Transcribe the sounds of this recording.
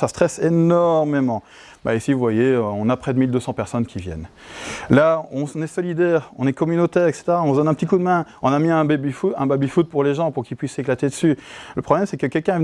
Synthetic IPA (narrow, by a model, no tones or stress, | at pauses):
sast̪χɛsenɔʁmemɑ̃ | ba̰isivuvwajeøɔ̃napχɛd̪əmild̪øsɑ̃pɛʁsɔnkʲʰivjɛ̰n | laɔ̃nɛsɔlid̪ɛːʁɔ̰̃nɛkɔmynot̪ɛʁɛkse̥t̪eʁaɔ̃vd̪ɔnɛ̃pət̪ikud̪mɛ̃ɔ̃namiɛ̃bbifuɛ̃babifud̪̚puʁleʒɑ̃puʁkilpɥiseklat̪ed̪əsyləpχɔblɛmsɛkəkʲɛlkɛ̃